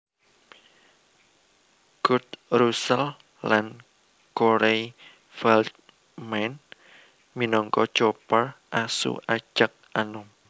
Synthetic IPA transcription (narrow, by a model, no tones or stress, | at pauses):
ɡ̥ʊt̪̚rusəl | lan | koɾej | fɛlt̪̚ | mɛn | minɔŋkɔt͡ʃopərʔasṵʔḁd͡ʒ̥ək̚ʔanʊŋ